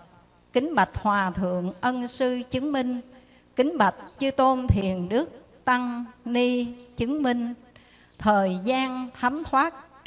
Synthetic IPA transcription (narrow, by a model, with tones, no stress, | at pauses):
kï˨˦ŋ̟ɓa˨˩k̚hwaː˨˩t̪ʰɨ̰˧˨əŋʔə˧nsɨ˧t͡ɕɨ˨˦ŋmï˧ŋ̟ | kï˨˦ŋ̟ɓa˨˩k̟̚t͡ɕɨ˧t̪o˧mt̪ʰi˨˩ənɗɨ˦˥ək̚ | t̪a˧ŋni˧t͡ɕɨ˨˦ŋmï˧ŋ̟ | t̪ʰəː˨˩jzaː˧nt̪ʰa˨˦mt̪ʰwaː˦˥t̚